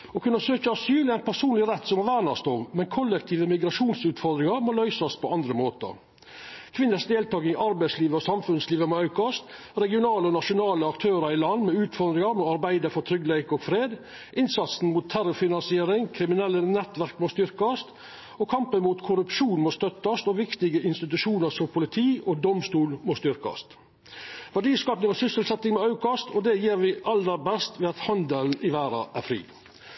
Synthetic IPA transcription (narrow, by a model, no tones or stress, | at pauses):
ɔkʰʉnːəsøːkəɑsyːlæɪnpʰæʂuːnlɪɾɛt̪ːsɔmhɑʋæːɳɑst̪ɔʋmɛnkʰɔlːɛk̚t̪ʰiːʋəmɪɡɾɑʂuːnsʉːt̪fɔɾd̪ɾɪŋɑɾmoːlœʏsɔspʰɔʔɑnd̪ɾəmoːt̪ə̰ | kʰʋɪnːəsd̪eːlt̪ʰɑːɡɪŋɑɾbæɪsliːʋəɔsɑmfʉnsliːʋəmoːɑʉkɑst̪ | ɾɛɡɪʊnɑːləɔnɑʂʊnɑːləɑkt̪ʰøːɾɑɾɪlɑnːmɛʉːt̪fɔɾd̪ɾɪŋɑɾmoɑɾbæɪd̪əfɔɾt̪ʰɾʏɡlæɪkɔɡfɾeːd̪ | ʔɪnsɑt̪sn̩mut̪ʰːæɾʊfɪnɑnsɪeːɾɪŋkʰɾɪmɪnɛlːənɛt̪ʋæɾkmoːst̪ʏɾkɑst̪ | ɔkʰɑmpənmuːt̪kʰʊɾʉpʃuːnmoːst̪œt̪ːɑst̪ɔːʋɪkt̪ɪɡəʔɪnst̪ɪt̪ʉʂuːnəɾsɔmpʰʊlɪt̪ʰiːʔɔd̪ɔmst̪uːlmost̪ʏɾkɑ̰st̪ | ʋæɖiːskɑːpnɪŋɔsʏsəlsɛt̪ːɪŋmɛɑʉkɑst̪ʰɔd̪ɛjiːɾʋɪʔɑləɾbɛst̪ʋɛːɑt̪hɑnd̪əln̩ʔɪʋæːɾɑ̰ʔæɾfɾḭː